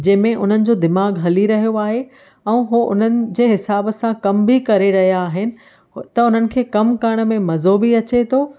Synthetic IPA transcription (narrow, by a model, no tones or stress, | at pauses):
d͡ʑɐ̃ɦɪ̃mẽʔʊn̤ənɪ̆d͡ʑoːd̪ɪmaːɡɦɐliɾɐɦijoaːɦe | ɛ̃ːɦuʔʊ̰n̤ənɪ̆d͡ʑeːɦɪsaːbsãkɐmbʱikɐɾeɾɐɦijaːɦɪnɪ̆ | t̪ɐʊn̤ənɪ̆kʰeːkɐmkɐɾəɽ̃̆mẽmɐzobiɐt͡ɕet̪ʰoː